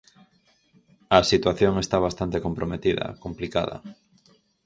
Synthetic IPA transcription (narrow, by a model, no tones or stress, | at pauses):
ɐsit̪waθjoŋest̪aβ̞ast̪ant̪ekompɾomet̪iðɐ̰komplika̰ðɐ̰